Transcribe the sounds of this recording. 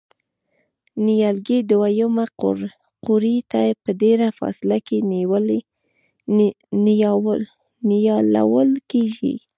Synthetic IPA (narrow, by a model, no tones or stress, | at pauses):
nijɑlɡed̪wajumaqʊ̰ɾ | qʊɾit̪ajpəd̪eɾafɑ̰sɪlaken | n | njɑla̰wəlkeʒḭ